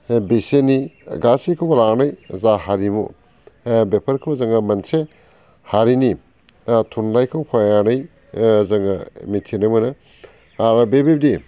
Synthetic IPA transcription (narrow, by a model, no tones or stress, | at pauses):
beseniɡasikʰɯwblanɐjzaɦaɾimṵ | bepʰɐɾkʰɯwzɐŋɐmɐnse | haɾini | tʰunlajkʰawpʰajanɯj | zɐŋɐmitʰinɐmɯnɐ | aɾbebeb̚di